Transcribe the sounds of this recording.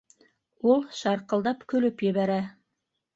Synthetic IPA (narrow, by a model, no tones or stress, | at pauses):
ulˠʃɑɾqɤ̆lˠd̪ɑpkɵ̆lɵpjɘ̆βæɾæ